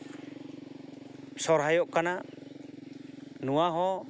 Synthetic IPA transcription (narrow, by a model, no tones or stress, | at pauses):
sɔɾɦajɔʔkana | nuwaɦɔ̃